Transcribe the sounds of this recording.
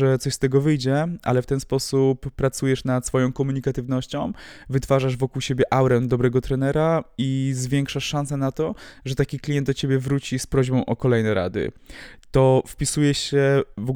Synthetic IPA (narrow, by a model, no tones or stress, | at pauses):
ʐɛt̪sɔɕst̪ɛɡɔvɘjd͡ʑɛʔa̰lɛft̪ɛnspɔsupːɾat̪sujɛʂnat̪sfɔjɔ̃w̃kɔmuɲikat̪ɘvn̪ɔɕt͡ɕɔ̃w̃vɘt̪faʐaʐvɔkuwɕebʲjɛʔawɾɛnd̪ɔbɾɛɡɔt̪ɾɛnɛɾaizvʲjɛŋkʂaʂːãnsɛnat̪ɔʐɛt̪akʲiklʲijɛnt̪d̪ɔt͡ɕebʲjɛvɾut͡ɕispɾɔʑbɔ̃w̃ʔɔkɔlɛjnɛɾa̰d̪ɘ̰t̪ɔfpʲisujɛɕɛvɔ